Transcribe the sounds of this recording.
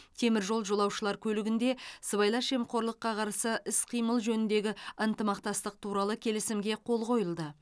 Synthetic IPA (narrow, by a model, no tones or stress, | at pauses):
t̪ʰe̞mɪɾʒo̞lˠʒo̞lˠɑwʃəlˠɑɾkʲʰɵlɪɡʲɪnd̪e̞səβɑjlˠɑʃe̞mqʰo̞ɾlˠəqːɑqʰɑɾsəʔɪsqʰijməlˠʒɵnɪnd̪e̞ɡʲɪənt̪əmɑqt̪ɑst̪əq̚t̪ʰuɾɑlˠəkʲʰe̞lɪsɪmɡʲe̞qʰo̞lˠqo̞jəlˠd̪ə